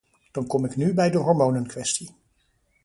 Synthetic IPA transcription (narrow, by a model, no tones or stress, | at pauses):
d̥ɑnkɔmɪknybɛjdəɦɔɹmownənkʋɛsti